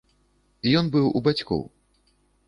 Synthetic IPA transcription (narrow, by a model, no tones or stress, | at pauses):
ijɔnbɨwṵbat͡sʲkɔ̰w